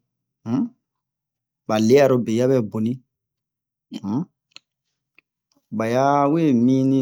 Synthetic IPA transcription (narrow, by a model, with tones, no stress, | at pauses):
ba˨le˦ja˨ɾo˦be˨ja˦bɛ˦bo˨nĩ˦ | ba˨ja˦wee˦˨mĩ˦nĩ˦